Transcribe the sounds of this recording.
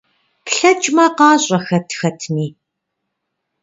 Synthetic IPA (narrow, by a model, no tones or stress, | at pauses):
kɬɐt͡ʃʼmɐːqɑːɕʼɐxɐtʰxɐtʰmiː